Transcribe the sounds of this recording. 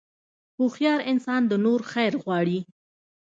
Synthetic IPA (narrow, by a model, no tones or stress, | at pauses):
puxjɑɾɪnsɑnd̪ənoɾxajɾɣwɑɽi